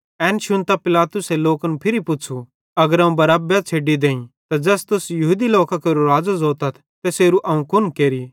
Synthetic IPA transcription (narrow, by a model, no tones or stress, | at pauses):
ɛːnʃʊnt̪apɪlaːt̪ʊseloːkɐnũpʰɪɾipʊt͡ʃʰu | ɐɡəɾɐ̃ũbɐɾaːbjat͡ʃʰeːɖid̪ẽːĩt̪ad͡ʒɛːst̪ʊsjɐɦuːd̪iloːkakeːɾuɾaːd͡zazoːt̪ɐt̪ʰ | t̪ɛseːɾuʔɐũkʊnkeːɾi